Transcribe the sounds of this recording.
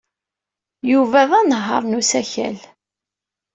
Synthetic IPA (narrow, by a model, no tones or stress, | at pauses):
juvæðænəɦːɑ̰ɾˤnusæçæ̰l